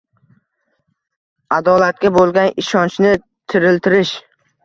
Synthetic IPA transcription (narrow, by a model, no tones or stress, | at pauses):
ad̪ɒlat̪̚ɡʲabolˠɡʲanɪʃɒnt͡ʃnɪ | t̪ʰɪɾɪlt̪ʰɪɾɪʃ